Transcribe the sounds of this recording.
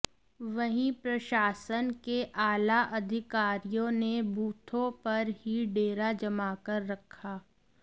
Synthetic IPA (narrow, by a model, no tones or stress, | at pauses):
ʋɐɦĩpɾɐʃaːsənkeʔaːlaʔɐd̪ʱɪkaːɾijõnebuːt̪ʰõpɐɾɦiɖeːɾad͡ʒɐmaːkəɾːɐkʰaː